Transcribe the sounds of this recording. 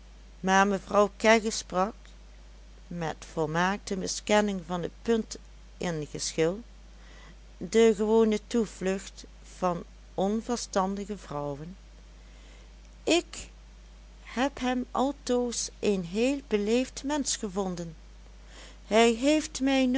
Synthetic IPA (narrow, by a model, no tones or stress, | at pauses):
maːɹməvrɑwkɛɣəsprɑk | mɛtfɔlˠmaːk̚təmɪskɛnɪŋvɑnətpɵnt | ʔɪnɣəsxɪlˠ | dəɣəʋoːnətuv̥lɵxt | v̥ɑn | ɔnvəɹstɑndəɣəvrɔwən | ʔɪk | hɛpɦɛmɑlˠtoːsenɦeːlˠbəlejftmɛnsχəvɔndən | hɛjɦejftmɛjn